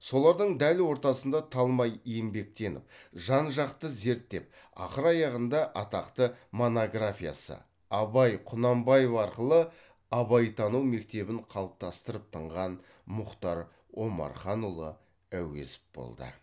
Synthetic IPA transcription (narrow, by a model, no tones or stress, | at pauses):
so̞lˠɑɾd̪əɴd̪ælwo̞ɾt̪ɑsənd̪ɑt̪ʰɑlˠmɑjijɪmbe̞k̚t̪e̞nɪ̰p̚ʒɑnʒɑqt̪əze̞ɾt̪ːe̞p̚ | ɑ̰χəɾɑjɑʁənd̪ɑʔɑt̪ɑqt̪əmonoɡrafʲija̰sə̰ | ɑbɑjqʰʊnɑmbɑjevɑɾqəlˠə | ɑβɑjt̪ʰɑnuwme̞k̚t̪e̞bɪɴqʰɑlˠəp̚t̪ɑst̪əɾəp̚t̪ʰəɴʁɑn | mʊqt̪ɑɾ | o̞mɑ̰ɾχɑnulˠə̰ | æwḛsɪ̥p̚b̥o̰lˠd̪ə̰